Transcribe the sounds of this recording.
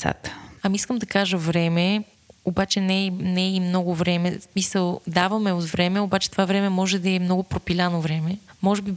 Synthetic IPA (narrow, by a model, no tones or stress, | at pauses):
sa̰t̪ə̥ɐmiskəmd̪ɐkaʒəvɾɛmɛ | obat͡ʃɛnɛnɛimnɔɡʊvɾɛmɛsmisəlˠd̪avɐmɛot̪vɾɛmɛobat͡ʃɛt̪ovavɾɛmɛmɔʒɛd̪ɐɛmnɔɡʊpɾopilʲanovɾɛmɛmɔʒɛbi